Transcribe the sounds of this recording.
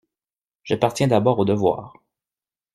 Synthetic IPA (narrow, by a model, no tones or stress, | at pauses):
ʒ̥apaʁt̪jɛ̃d̪abɔʁod̪əvwa̰ːʁ